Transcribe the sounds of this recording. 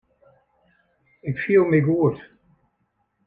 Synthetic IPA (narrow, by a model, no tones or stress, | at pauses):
ɪkfiəlˠmɪɡuət